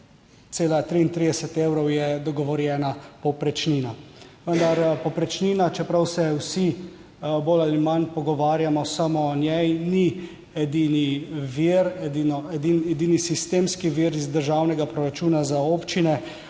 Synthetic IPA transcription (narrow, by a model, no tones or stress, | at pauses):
t̪seːlat̪ɾiːnt̪ɾiːd̪ɛsɛt̪eːwɾɔwjɛd̪ɔɡɔʋɔɾjɛːnapɔpɾɛt͡ʃniːnaʋənd̪aɾpɔpɾɛt͡ʃniːnat͡ʃɛpɾawsɛwsi | bolalimanpɔɡɔʋaːɾjamɔsamɔnjɛjni | ɛd̪iːniʋiɾɛd̪inɔɛd̪inɛd̪iːnisist̪eːmskiʋiːɾizd̪əɾʒaːwnɛɡapɾɔɾat͡ʃuːnazaoːpt͡ʃinɛ